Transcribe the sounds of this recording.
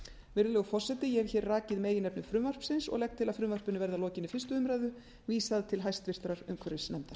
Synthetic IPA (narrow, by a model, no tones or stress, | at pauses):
vɪɾðʏlœɣfɔr̥sɛt̪ɪjɛɛɾçɛːɾraːcɪðmeːjɪnɛpnʏfɾʏmvar̥psɪnsɔ̰ɣlɛk̚t̪ʰːɪlaðfɾʏmvar̥pʏnʏvɛɾðalɔːcɪnɪfɪrst̪ʏʏmɾajðʏ | viːsaðt̪ʰɪlɦajst̪vɪr̥t̪ɾaɾʏ̰mkʰvɛɾɪsnɛmt̪ḁ